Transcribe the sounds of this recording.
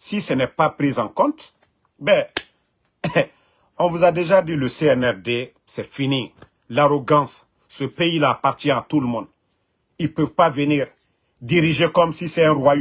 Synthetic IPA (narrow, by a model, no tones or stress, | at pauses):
sisɛnɛpapɾizɑ̃kɔ̃t̪ | bɛ̃ | ɔ̃vuzad̪eʒad̪iləseɛnɛʁd̪e | sɛfini | laɾoɡɑ̃sː | əpeilaːpaʁt̪jɛ̃at̪uləmɔ̃nd̪ | ilpøvpavəniːʁ | d̪iɾiʒekɔmsisɛɛ̃ʁwaj